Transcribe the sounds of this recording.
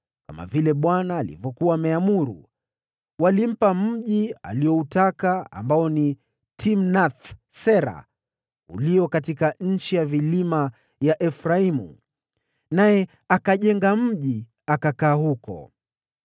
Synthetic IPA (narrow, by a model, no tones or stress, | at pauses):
kama̰vilɛɓwanaːlḭvjɔkuwaːmɛamuɾṵ | walim̩pam̩ʄia̰liɔutakaa̰mbaɔni | tim̩nat̪sɛɾa̰ | ṵliɔkatikaɲ̩t͡ʃijavilima | jaʔɛfɾaimṵ | najɛ | akaʄɛŋɡam̩ʄi | akakaːhukɔ̰